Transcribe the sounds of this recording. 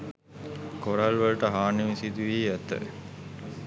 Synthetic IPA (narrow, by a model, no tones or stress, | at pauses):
koɾalʋəlʈəɦaːniʋisid̪uʋiːæt̪ə̰